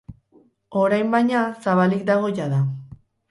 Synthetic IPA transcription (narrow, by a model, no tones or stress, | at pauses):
o̞ɾajmbajɲasaβalik̚d̪aɣ̞o̞jaða